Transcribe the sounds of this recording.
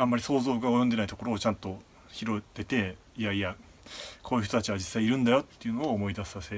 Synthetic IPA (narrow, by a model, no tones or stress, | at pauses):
ãmːaɾʲiso̞ːzo̞ːɡao̞jond̪enait̪oko̞ɾo̞ːt͡ɕãnt̪o̞ | çiɾo̞t̪e̞t̪e̞ | iaia | kʰo̞ːiɯ̟ç̥t̪ot̪at͡ɕiβad͡ʑisːaiːɾɯ̟̃nd̪ajo̞t̪ːe̞jɯ̟no̞ːmo̞id̪asi̥ase